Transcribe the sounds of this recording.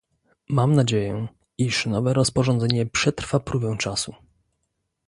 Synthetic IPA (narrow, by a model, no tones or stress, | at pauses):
mamnad͡ʑejɛ | iʂnɔvɛɾɔspɔʐɔnd̪zɛɲɛpʂɛt̪ɾfapɾubɛw̃t͡ʂasu